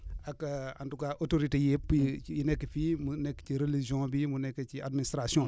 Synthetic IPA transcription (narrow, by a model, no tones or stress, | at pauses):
akaa̰ndukaʔotoɾitejepːjinɛkːəfimunɛkːt͡ʃiɾelid͡ʒɔ̃bimunɛkːet͡ʃiadministɾasijɔ̃